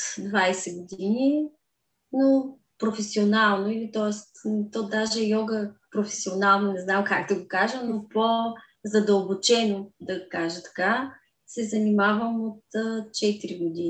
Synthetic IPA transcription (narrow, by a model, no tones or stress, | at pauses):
d̪vajsɛɡod̪ini | no | pɾofɛsionalˠnoilit̪ɔɛst̪t̪od̪aʒɛjɔɡəpɾofɛ̥sionalˠnonɛznamkakd̪ɐɡokaʒənopo | zɐd̪əlˠbot͡ʃɛnod̪ɐkaʒət̪ɐ̥ka | sɛzɐnimavəmot̪ət͡ʃɛt̪iɾiɡod̪i